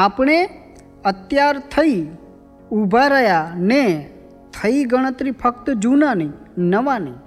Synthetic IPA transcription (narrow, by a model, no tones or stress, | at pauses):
aːpɳ̃e | ət̪jaːɾt̪ʰəi | ubʱaɾəjane | t̪ʰəiɡəɽ̃ət̪ɾipʰək̚t̪d͡ʒuːnani | nəʋani